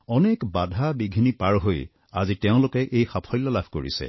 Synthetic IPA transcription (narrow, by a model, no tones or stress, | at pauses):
ɔnekbadʱabiɡʱinipaɹɦoj | aziteʊ̃lʊkɛʔejxapʰɔjlːɔlabʱkoɹḭsɛ̰